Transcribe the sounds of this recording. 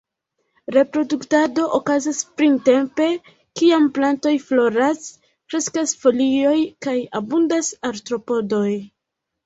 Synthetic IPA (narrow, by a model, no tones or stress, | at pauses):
ɾe̞pɾo̞duktado̞ʔokazaspɾinte̞mpe̞ | kiamplanto̞jflo̞ɾas | kɾe̞skasfo̞lio̞jkajabundasaɾtɾo̞po̞do̞j